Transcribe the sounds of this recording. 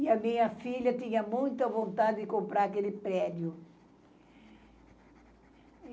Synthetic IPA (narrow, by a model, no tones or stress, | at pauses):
ɪɐmĩɲɐfiʎɐt̪ĩɲɐmũj̃t̪ɐvõnt̪ad̪ɪd̪ɪkõmpɾaɾɐkelɪpɾɛd̪jʊ